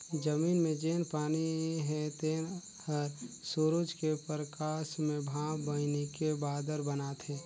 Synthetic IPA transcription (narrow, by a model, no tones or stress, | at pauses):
d͡ʒəmiːnmẽd͡ʒeːnpaːniɦɛt̪en | həɾsoɾud͡ʒkepɾəkaːsmẽbʱãːbənekebaːd̪əɾbənaːt̪ʰɦeː